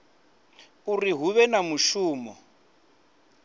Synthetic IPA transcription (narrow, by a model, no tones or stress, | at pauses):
uriɦuβɛnamuʃuːmɔ̰